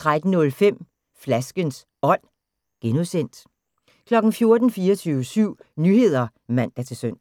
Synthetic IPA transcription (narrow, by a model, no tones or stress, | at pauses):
t͡sʰʁad̥n̩nɔ̽lfem̰ | flæsɡ̥əns | ɒ̽n̰ | ɡ̥enusen̰d̥ | kʰlɒ̽ɡ̥n̩fjo̝ɐd̥n̩fiːɒt͡sʰyːʊəsyʊ̰nyhe̝ð̞̰ˠɐmæn̰d̥æt͡sʰe̝søn̰